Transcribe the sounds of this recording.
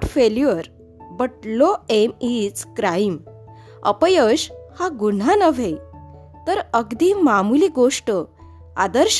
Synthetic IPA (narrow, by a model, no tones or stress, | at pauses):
ʈfeljəɾ | bəʈloemit͡skɾajim | ə̰pəjəɕhaɡuɳ̤anəʋʱej | t̪əɾəɡd̪imamuliɡoʂʈə | a̰d̪əɾɕ